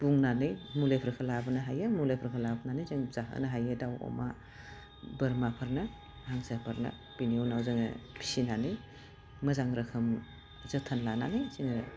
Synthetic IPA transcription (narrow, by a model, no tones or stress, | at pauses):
b̥uŋnanɯjmulepʰɾkʰɯlabɯnaɦajɯmulepʰɾkʰɯlabənanɯjzɯŋz̥aɦɯ̰naɦajɯdawɔ̰ma | bɯɾmapʰɯɾnɯ | haŋsapʰɯɾnɐ̰ | b̥inionawzɯŋɐ̰pʰi̥sinanɯj | mɯzaŋɾɯkʰɯm | zɯtʰanlana̰nɯjziŋɯ̰